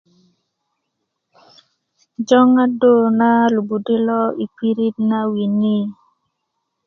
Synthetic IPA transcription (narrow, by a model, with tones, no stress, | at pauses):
d͡ʒɔ˦ŋa˦do˦˨na˦lu˨bu˨de˦lɔ˦i˨pi˦ɾi˦t̚na˦wi˨ni˦